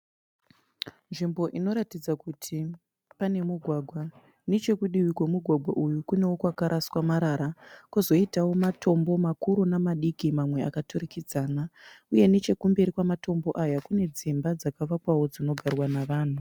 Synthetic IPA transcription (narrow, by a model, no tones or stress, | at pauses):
nʐimbo̞ʔino̞ɾatid͡zakutʰi | pane̞muɡʱwaːɡʱwa | net͡ʃe̞kuɗiwikwemuɡʱwaɡʱwaʔujukune̞wo̞kwakaɾʔaswamaɾaɾakuzo̞itawo̞matʰo̞mbo̞makuɾunamaɗikimamwe̞a̰katurikid͡zaːnauje̞net͡ʃe̞kumbe̞ɾikwamato̞mbo̞ʔajakune̞d͡zimbad͡zakaʋakwawo̞d͡zino̞ɡʱarwanaʋaːn̤u